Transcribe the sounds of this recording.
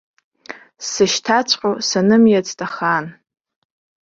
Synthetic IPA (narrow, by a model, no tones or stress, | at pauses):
sɨʃtʰat͡sʷʰʼqʲʼosanɨmjat͡sʼtʼaχan